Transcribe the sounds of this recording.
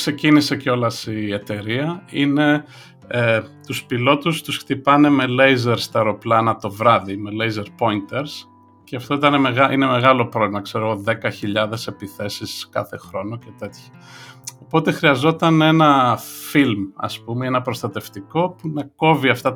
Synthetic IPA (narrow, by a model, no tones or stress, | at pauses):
kse̞cinise̞ceo̞lɐsiet̪e̞ɾiɐine̞ | et̪uspilo̞t̪ust̪usxt̪ipɐne̞me̞le̞jzeɾst̪ɐɾo̞plɐnɐt̪o̞vɾɐðime̞le̞jze̞ɾpo̞int̪e̞ɾs | ceɐft̪o̞it̪ɐne̞meɣɐʔine̞me̞ɣɐlo̞pɾo̞vlimɐkse̞ɾo̞ɣo̞ðe̞kɐçiʎɐðe̞se̞piθe̞siskɐ̰θe̞xɾo̞noce̞t̪e̞t̪çɐ̥ | opo̞t̪e̞xɾiɐzo̞t̪ɐne̞nɐfilmɐ̰spumeenɐpɾost̪ɐt̪e̞ft̪iko̞punɐko̞viɐft̪ɐ